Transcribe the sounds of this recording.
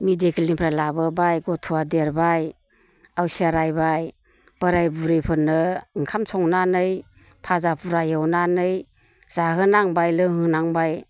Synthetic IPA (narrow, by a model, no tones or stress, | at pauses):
midekʰilipʰɾalabɯbajɡɔtʰuadeɾbaj | awsiaɾajbaj | b̥əɾajbuɾɯjpʰɯnɯɯŋkʰamsʰɔŋnanɯj | pʰazapʰuɾajɯwnanɯj | z̥aɦɯnaŋbajlɯhɯnaŋbaj